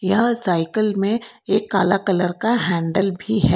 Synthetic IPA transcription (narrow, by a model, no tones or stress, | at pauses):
jɐɦsaːɪkəlmẽeːkːaːlakɐləɾkaɦɛ̃ːɳɖəlbʱiɦɛː